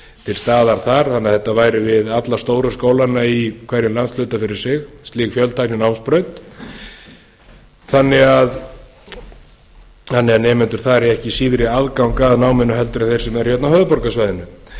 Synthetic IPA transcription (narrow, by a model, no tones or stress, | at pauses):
t̪ʰɪlst̪aːðaɾ̥θaɾ̥θanːɪaðθɛt̪ːavaːjɾɪvɪðat̪last̪oːwɾʏskoːwlanːaikʰvaɾjɪnlant̪slœɥt̪afɪɾɪɾ̥sɪxst̪liːkfjœlt̪ʰajnɪnawmspɾœɥt̪ | θanːɪɣað | θanːɪɣaðnɛːmɪnt̪ʏɾ̥θaɾɛɛhcɪsiːðɾɪaðkawŋkaðnaːwmɛnːʏɦɛl̪t̪ʏɾaθejɾ̥sɛmɛɾ̥hjɛt̪nawhœːðpɔɾkasvajðɪnʏ